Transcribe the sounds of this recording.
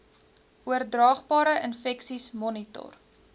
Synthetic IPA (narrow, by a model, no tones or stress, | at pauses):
uərdrɑːχbɑːɾəʔənfɛksismɔnitɔ̰r